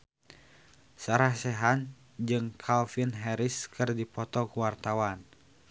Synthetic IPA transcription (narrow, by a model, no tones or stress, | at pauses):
saɾahsɛɦan | d͡ʒɨŋkʰalfinɦɛɾiskʰɨrdipɔt̪ɔkuwart̪awan